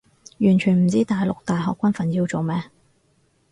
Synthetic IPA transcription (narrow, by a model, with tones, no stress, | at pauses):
jyː˨˩nt͡ʃʰyː˨˩nm̩˨˩t͡siː˥t̪aː˨jlʊ˨k̚t̪aː˨jɦɔː˨kʷːɐ˥nfɐ˨njiː˧wt͡so˨wmɛː˥